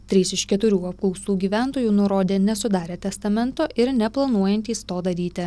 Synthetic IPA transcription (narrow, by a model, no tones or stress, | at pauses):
t̪ʲɾʲiːsɪʃkʲɛt̪ʊɾʲuːɐp̚klˠɔʊsuːɡʲiːʋʲæˑnt̪oːjuːnʊɾoːd̪ʲeːnʲɛsʊd̪ɑːɾʲeːt̪ʲɛst̪ɐmʲɛnt̪oːʔɪɾnʲɛplˠɐnuɔjɛnʲt̪ʲiːst̪oːd̪ɐɾʲiːt̪ʲɪ